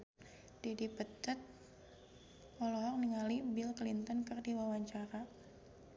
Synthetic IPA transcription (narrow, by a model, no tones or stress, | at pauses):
d̥edipət̪ət̪̚ | ʔɔlɔɦɔk̚niŋalibilklint̪ɔnkɨrdiwawaɲt͡ʃaɾa